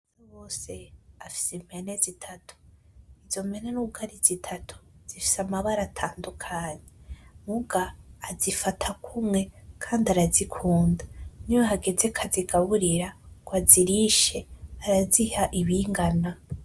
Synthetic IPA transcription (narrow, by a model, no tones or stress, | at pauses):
zoβoːse̞afi̥seme̞nezitʰatʰu̥iz̥o̞me̞nenuɡaɾizitʰatʰu̥z̥ifi̥samaβaɾatʰaːndukʰaːɲe̞muɡaːzifatʰakumŋe̞kʰaːndaɾazikʰuːndaniwaɦaɡe̞ze̞kʰaziɡaβuɾiɾaɡ̥waziɾiʃe̞aɾazihaʔiβiŋɡana